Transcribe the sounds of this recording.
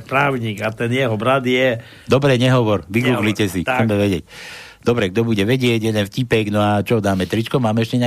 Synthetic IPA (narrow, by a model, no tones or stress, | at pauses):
pɾaːʊɲiːɡat̪ɛnjɛɦɔbɾad̪jɛ | d̪ɔbɾɛɲɛɦɔʋɔɾʋiɡuːɡlicɛsit͡sɛmɛʋɛɟɪɛc̚ | d̪̥ɔbɾɛɡd̪ɔbuɟɛʋɛɟɪɛɟjɛd̪ɛnfcipɛɡnɔat͡ʃɔd̪aːmɛt̪ɾit͡ʃkɔmaːmɛɛʃcɛɲa